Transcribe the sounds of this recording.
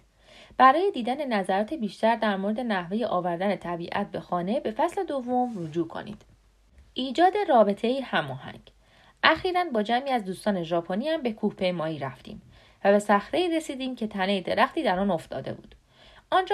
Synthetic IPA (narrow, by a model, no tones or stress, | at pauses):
b̥æɾɒːje̞d̪iːd̪æne̞næzæɾɒːt̪ʰebiːʃt̪æɾd̪æɾmoɾe̞d̪e̞næhve̞je̞ʔɒːvæɾd̪æne̞t̪ʰæbiːʔæ̰t̪̚be̞xɒːne̞be̞fæsle̞d̪ovːo̞mrod͡ʒuːkʰo̞̰nḭːd̪̥ | ʔiːd͡ʒɒːd̪e̞rɒːbe̞t̪ʰe̞iːhæmɒːhæ̰ŋɟ | ʔæxiːɾænbɒːd͡ʒæmiːæzd̪uːst̪ɒːne̞ʒɒːpʰoniæmbe̞kʰuːhpʰe̞jmɒːiːɾæft̪ḭːm | væbe̞sæxɾe̞iɾe̞siːd̪iːmcʰe̞t̪ʰæne̞jid̪e̞ɾæxt̪iːd̪æɾɒːno̞ft̪ɒ̰ːd̪e̞̰bṵːd̪̥ | ʔɒnd͡ʒ